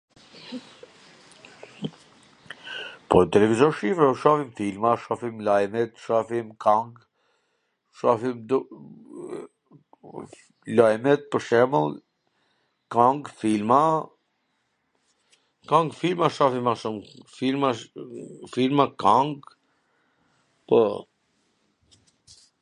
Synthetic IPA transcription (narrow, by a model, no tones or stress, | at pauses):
pɔt̪ɛlɛvizɔʃifɾɛʃafimfilmaʃafimlajmɛt̪ʃafimkʰaŋɡ | ʃafimd̪ | lajmɛt̪̚pəɾʃɛməl | kaŋɡfilma | kãŋɡfilmaʃafimaʃumfilma | filmakaŋɡ | pɔ̰